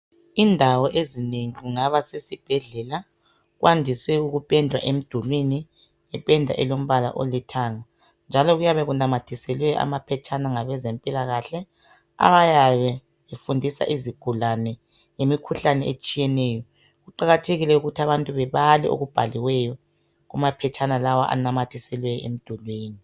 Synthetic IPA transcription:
indʱawɔʔeziniŋiɣuŋaβasesib̥ʱɛɮɛla | ɣwʔandʱisɛuɣupʼɛndʱwa̰ʔem̩d̥ʱulwini | ɛpʼɛndʱa̰ʔɛlom̩βala̰ʔo̰litʰaːŋa | nd͡ʒʱalɔɣujaβɛɣunamatʰisɛlwɛʔa̰mapʰɛt͡ʃʼanaŋaβɛzempʼilaɣaɬɛ | a̰βajaβɛ | βefundʱisa̰ʔiziɡ̥ʱulanɛ | ŋemikʰuɬanɛet͡ʃʼijɛnɛːjɔ | ɣuǃaɣatʰeɣilɛuɣutʰaβantʼuβɛβalɛ̰ʔo̰ɣub̥ʱaliwɛjɔ | ɣumapʰɛt͡ʃʰʼanalawaʔa̰namatʰisɛlwɛem̩d̥ʱulwiːni

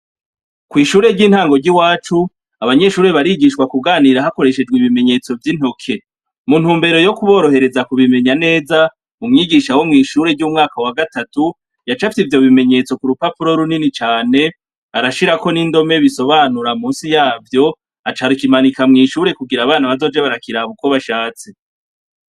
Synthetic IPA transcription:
kwiːʃuːɾe̞ɾɟiːnhaːŋɡoɾɟiwaːt͡ʃu | aβaɲe̞ʃuːɾe̞βaɾiɡiʃkwakuɡaːniɾaɦako̞ɾe̞ʃe̞d͡ʒɡwiβime̞ɲe̞t͡so̞vjin̥ho̞kʰe̞ | mun̥huːmbe̞ɾo̞jo̞kuβo̞ːɾo̞ɦe̞ɾe̞zakuβime̞ɲane̞ːza | umŋiːɡiʃawomŋiːʃuːɾe̞ɟuːmŋaːkawaɡatatu | jat͡ʃafitivjo̞βime̞ɲe̞t͡so̞kuɾupapuɾo̞ɾuninit͡ʃaːne̞ | aɾaʃiɾako̞nindo̞me̞βiso̞βaːnuɾamuːnsijaːvjo̞ | at͡ʃaɾikimanikamŋiːʃuːɾe̞kuɡiɾaβaːnaβazo̞d͡ʒeβaɾakiɾaβuko̞βaʃaːt͡se

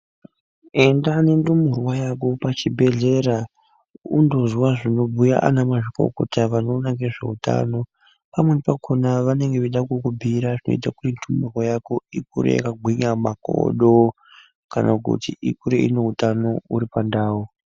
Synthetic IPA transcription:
e̞ndanendumurwajakopat͡ʃibʱe̞ɮe̞ɾa | ṵndo̞zwaʐino̞bʱuja̰ʔa̰namaʐiko̰kotaʋanonaŋɡeʐe̞uta̰no̞ | pamwe̞nipakʰonaʋane̞ŋɡeʋiɗakukubʱiɾaʐino̰itakurindumurwojakoikuɾḛja̰kaɡʱwiɲamako̰ɗo | kanʔakṵtiikuɾeine̞utano̞uɾipandaːwu

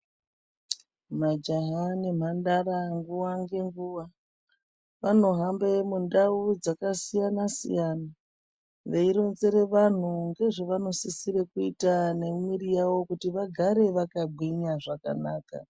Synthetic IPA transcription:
mad͡ʒaɦanim̤andaɾaŋɡuwaŋɡe̞ŋɡuwa | ʋano̞ɦambe̞mundaud͡zakasijanasḭjana | ʋeiɾo̞nze̞ɾe̞ʋan̤uŋɡe̞ʐoʋano̞sisirekuitane̞mwiɾijawo̞kutiʋaɡʱaɾe̞ʋakaɡʱwiɲaʐaka̰naːka̰

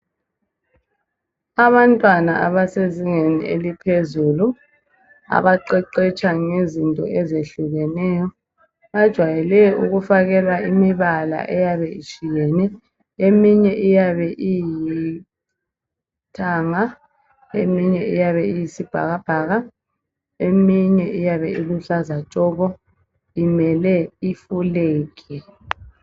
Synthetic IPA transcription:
aβantʼwanaʔaβaseziŋenḭelipʰezulu | a̰βaǃɛǃɛt͡ʃʼaŋezintʼɔ̰ʔɛzeɬuɣɛnɛːjɔ | ad̥ʒ̥ʱwajɛlɛuɣufaɣɛlaimiβala̰ʔɛjaβɛit͡ʃʼijɛːnɛ | emiɲɛʔijaβɛʔiji | tʰaːŋa | emiɲɛʔijaβɛijisib̥ʱa̰ɣab̥ʱaːɣa | emiɲɛʔijaβɛiluɬazat͡ʃʼɔɣɔ | imɛlɛifuleːkɛ

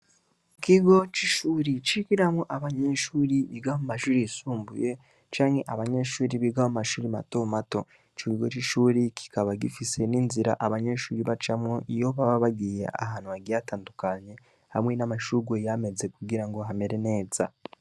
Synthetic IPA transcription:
kiɡo̞t͡ʃiʃuːɾit͡ʃikiɾamoʔaβaɲeːʃuːɾiβiɡaomumaʃuːɾisuːmbṵje̞ | t͡ʃaːŋɡe̞ʔaβaɲe̞ːʃuːɾiβiɡaomumaʃuːɾima̰to̞mato̞ | t͡ʃokiɡo̞̰t͡ʃiʃuːɾikʰi̥kaβaɡifise̞niːnziɾa̰ʔaβaɲe̞ʃuːɾiβat͡ʃamwoʔijo̞βaβaβaɡijḛʔa̰ɦaːn̥huaɡiataːndukaɲe̞ | ha̰mŋe̞namaʃuɡwojame̞ze̞kuɡiɾaŋɡo̞ɦame̞ɾe̞ne̞ːz̥a̰

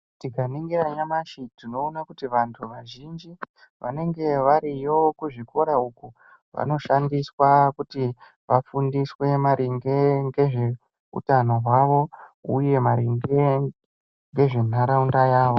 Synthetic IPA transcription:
tikaniŋɡiɾaɲamaʃitino̞ːnakutiʋantʰuʋaʒind͡ʒi | ʋa̰ne̞ŋɡe̞ʋaɾijo̞kuʐiko̞ɾauku | ʋa̰no̞ʃandiswakuti | ʋafundiswe̞maɾʔiŋɡeŋɡe̞ʐe̞ | ṵtano̞ɦwaʋo̞uje̞maɾiŋɡe | ŋɡe̞ʐe̞n̤aɾaundajaːʋo̞

